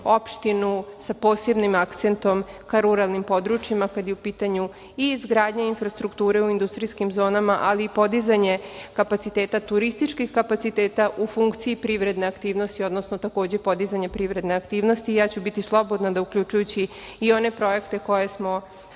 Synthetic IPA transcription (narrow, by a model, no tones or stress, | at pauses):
o̞pʃt̪inusapo̞ːse̞bnimakt̪se̞nt̪o̞mkaɾuɾalnimpo̞d̪ɾut͡ʃjimakad̪jeupiːt̪aɲu | iːzɡɾaːd̪ɲeinfɾast̪ɾukt̪uːɾe̞uind̪ust̪ɾiskimzo̞ːnamaʔaliːpo̞d̪izaɲe̞kapat̪sit̪e̞ːt̪at̪uɾist̪it͡ʃkixkapat̪sit̪eːt̪aʔufuŋkt̪siipɾiʋɾe̞d̪ne̞akt̪iːʋno̞st̪io̞d̪no̞snot̪ako̞ːd͡ʑe̞po̞d̪izaɲepɾiʋɾe̞d̪ne̞akt̪iːʋno̞st̪ijaːt͡ɕubit̪islˠo̞bo̞d̪nad̪aukʎʲut͡ʃujut͡ɕiio̞ne̞pɾo̞je̞kt̪e̞ko̞jesmo̞